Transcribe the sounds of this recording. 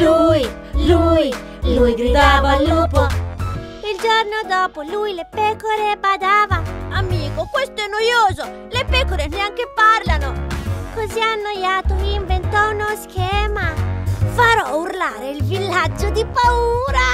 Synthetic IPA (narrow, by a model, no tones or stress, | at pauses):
luj | lui | lujɡɾid̪avalupo | ild͡ʒornod̪ɔːpolujlepɛːkoɾebad̪aːvaamiːkokwest̪oɛnːojoːzo | lepɛkoɾeneaŋkeparlanokozianːojaːt̪omiiːɱvent̪ɔunoskɛːmafaɾɔurlaːɾeilvilːad͡ʒːod̪ipauːɾa